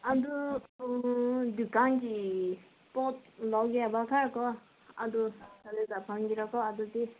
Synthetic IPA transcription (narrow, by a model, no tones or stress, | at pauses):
ad̪u | d̪ukanki | pɔt̪̚lɔɡabakʰakɔ | a̰d̪usaled̪apʰaŋɡiɾakɔad̪ut̪e